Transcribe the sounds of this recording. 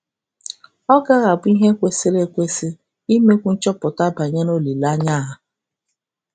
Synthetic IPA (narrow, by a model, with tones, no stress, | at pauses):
ɔ˦ɡa˦ɣa˨bi˦ɦe˦kʷe˦sɪ˦ɾe˦kʷe˦sɪ˦ | i˦me˦kʷu˦n̩˦t͡ʃɔ˦pʊ˨ta˦ba˨ɲe˦no˦li˨la˦ɲa˦˨ɦa˨